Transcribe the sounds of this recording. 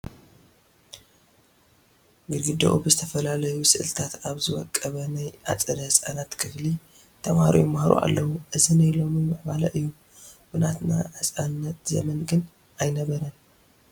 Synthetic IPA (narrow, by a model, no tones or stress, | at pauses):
ɡɨlɡɨd̪ɐ̰ʔubɨzɨt̪ʰɐfɐlalɐjusɨʔɨlt̪ʰat̪aβzɨwɔ̰kʼːɐβɐnajʔa̰t͡sʼɐɾɐhɨsʼa̰nat̪kʰɨfli | t̪ʰɐmhaɾḭjmahɾṵʔa̰lːɐwuʔɨzinajlo̞mimɨħbalɐʔɨjːu | bɨnat̪na̰ʕɨsʼannːɐt̪zɐ̰mɐnɡɨn | ajnɐβɐɾɐn